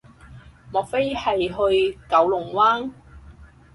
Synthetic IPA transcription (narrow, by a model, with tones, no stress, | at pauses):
mɔː˨k̚fe˥jhɐ˨jɦɵ˧ɥkɐ˨˧wlʊ˨˩ŋwaː˥n